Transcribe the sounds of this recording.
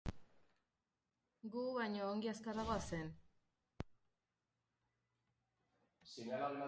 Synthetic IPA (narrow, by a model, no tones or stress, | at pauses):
ɡuβajɲo̞ːŋɡiaskaɾaɣoasen | sinalalma